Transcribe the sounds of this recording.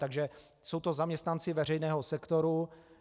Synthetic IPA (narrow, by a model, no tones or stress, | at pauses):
t̪aɡʒɛ | so̞wt̪o̞zamɲɛst̪nant͡sɪvɛr̝ɛjnɛːɦosɛkt̪oɾu